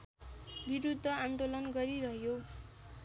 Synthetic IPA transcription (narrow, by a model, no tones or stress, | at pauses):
biɾud̪ʱːʌand̪olʌnɡʌɾiɾʌɦjo